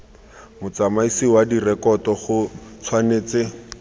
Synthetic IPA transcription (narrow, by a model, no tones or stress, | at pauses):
mʊt͡samaisiwadirɛkɔtɔχʊt͡sʰwaneːt͡sɪ